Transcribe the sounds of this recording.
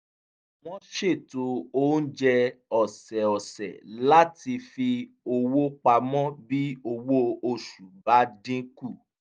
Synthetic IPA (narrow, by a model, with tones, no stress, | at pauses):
w̃ɔ̃˦ʃe˦˨to˧˦o˦n̩˦d͡ʒɛ˧ɔ˨sɛ˨ɔ˨sɛ̰˨la˦ti˧fi˧ | o˧wo˦k͡pa˧mɔ̃˦bi˦o˧wo˦o˧ʃu˨ba˨˦dĩ˦ku˦˨